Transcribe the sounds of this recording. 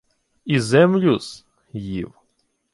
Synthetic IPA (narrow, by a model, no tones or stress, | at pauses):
izɛmlʲʊs | jḭw